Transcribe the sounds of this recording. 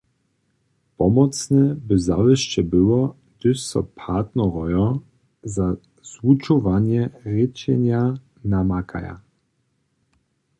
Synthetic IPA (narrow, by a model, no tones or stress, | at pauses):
pɔmɔt̪snɛbɘzavɛʃt͡ɕɛbɘwɔ | d̪̥ɘsɔ̰pʰat̪nɔɾɔjɔ | za | z̥ut͡ʂɔvaɲjɛɾɪt͡ɕɛɲja | namakʰa̰ja̰